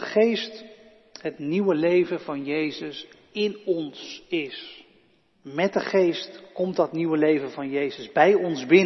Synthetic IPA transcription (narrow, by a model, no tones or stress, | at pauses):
χejst | ɦətniwəlejvənvɑnjejzəs | ɪnɔnsɪs | mɛt̚dəχejstkɔmtɑtniwəlejvənvɑnjejzəzbɛjɔnzbɪn